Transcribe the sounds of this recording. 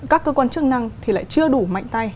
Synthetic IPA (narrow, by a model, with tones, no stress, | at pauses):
kaː˦˥kːəː˧kwaː˧nt͡ɕɨ˦˥k̚na˧ŋt̪ʰi˨˩la̰ː˧˨jt͡ɕɨ˧əɗu˧˩ma̰˧˨jŋ̟t̪a˧j